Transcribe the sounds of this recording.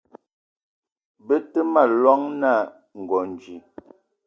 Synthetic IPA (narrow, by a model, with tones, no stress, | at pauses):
bə˦tə˦ma˨lwɔ˦ŋna˦˨ | ŋ̩˨ɡɔ˨n˨d͡ʒi˨